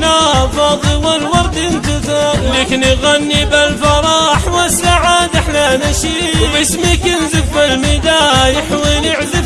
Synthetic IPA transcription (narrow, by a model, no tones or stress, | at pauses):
nafɑːðˤɨwɪlwɑɾˤt̪ɪnt̪ɨzˤɑːɾleːkɪniɣanːibalfɑɾˤɑːħwasaʕaːd̪aħlanaʃi | wbɪsmikɪnzɪfːalmɪd̪aːjɪħwinɪʕzɪ